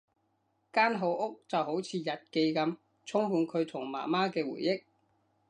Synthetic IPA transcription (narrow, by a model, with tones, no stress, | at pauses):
kaː˥nɦo˨˧wʔʊ˥k̚t͡sɐ˨wɦo˨˥wt͡sʰiː˨˧jɐ˨t̚ke˧jkɐ˧m | t͡sʰʊ˥ŋhuː˧nkʰɵ˨˧ɥt̪ʰʊ˨˩ŋma̰ː˨˩maː˥kɛː˧wṵː˨˩jːɪ˥k̚